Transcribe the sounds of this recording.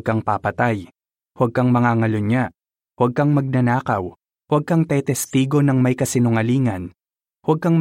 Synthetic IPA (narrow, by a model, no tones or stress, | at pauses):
ɡ̚kaŋpapɐt̪aj | hwɐɡ̚kɐŋmɐŋaŋɐlʊɲa | wɐɡ̚kɐŋmɐɡ̚nɐnaːkɐw | hwɐɡ̚kɐŋt̪ɛt̪ɛst̪iːɡo̞nɐŋmɐjkɐsɪnʊŋɐliːŋɐn | hwɐɡ̚kɐŋm